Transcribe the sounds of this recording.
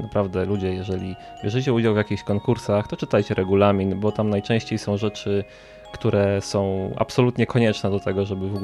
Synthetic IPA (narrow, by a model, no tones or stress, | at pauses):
napɾavd̪ɛlud͡ʑɛjɛʐɛlʲi | ɛʐɘt͡ɕɛud͡ʑawvjakʲixɕkɔŋkuɾsaxt̪ɔt͡ʂɘt̪ajt͡ɕɛɾʔɛɡulamʲinbɔt̪amnajt͡ʂɛ̃w̃ɕt͡ɕejsɔ̃w̃ʐɛt͡ʂɘ | kt̪uɾʔɛsɔ̃w̃ʔa̰psɔlut̪ɲɛkʰɔɲɛt͡ʂnɛd̪ɔt̪ɛɡɔʐɛbɘvɔɡ